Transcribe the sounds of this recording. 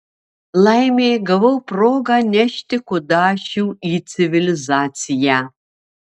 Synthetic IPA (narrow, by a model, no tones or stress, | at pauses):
lajmeɡɐvɐwpʰroɡanʲɛʃtɪkʷʰʊdaːʃiwit͡sʰivilizaːt͡sʰija